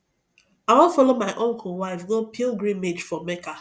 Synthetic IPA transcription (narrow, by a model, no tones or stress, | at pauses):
aɪwɔ̃nfɔlomaɪʔɔ̃ŋkʊwaavɡɔpʰilɡɾĩnmed͡ʒfɔmeka